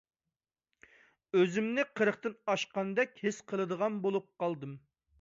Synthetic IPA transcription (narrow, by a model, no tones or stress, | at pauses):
øzɪmnɪqʰəɾəχt̪ɨnɑʃqɑnd̪ɛkʲhɪsqʰəlˠɨd̪əʁɑnbolˠup̚qɑlˠd̪ɨm